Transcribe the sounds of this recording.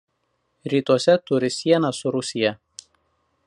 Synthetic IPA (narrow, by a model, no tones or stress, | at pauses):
ɾʲiːt̪uɔsʲɛt̪ʊɾʲɪsʲiɛnɑsʊɾʊsʲɪjɛ